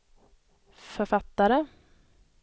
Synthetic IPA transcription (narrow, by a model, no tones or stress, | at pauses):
fœɾfat̪ːaɾə